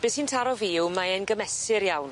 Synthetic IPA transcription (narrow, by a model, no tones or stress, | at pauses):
b̥ɨːshintʰaɾɔviwmaɛnɡəmɛsɪɾjawn